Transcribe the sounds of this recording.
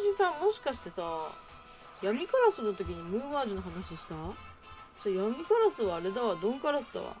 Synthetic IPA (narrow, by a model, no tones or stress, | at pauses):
ɕisamo̞ɕi̥kaɕi̥t̪e̞sa | jamʲikaɾasɨnːot̪o̞k̬ʲiɲ̟imɯ̟̃ːβaːd͡ʑɨnoɦanaɕiɕi̥t̪a | d͡ʑaːjamʲikaɾasɨβaːɾe̞d̪aβad̪õ̞ŋkaɾasɨd̪a̰βa̰